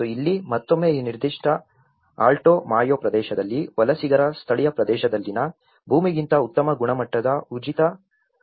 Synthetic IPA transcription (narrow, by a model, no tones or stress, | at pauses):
oilːimɐt̪ːo̞mːe̞ːiːniɾd̪iʂʈɐ | a̰ːlʈoːmaːjoːpɾɐd̪ɛːʃɐd̪ɐlːiʋɐlɐsiɡɐɾɐst̪ʰɐɭijɐpɾɐd̪ɛːʃɐd̪ɐlːinɐ | bʱuːmiɡint̪ɐut̪ːɐmɐɡuɳɐmɐʈːɐd̪ɐud͡ʒit̪ɐ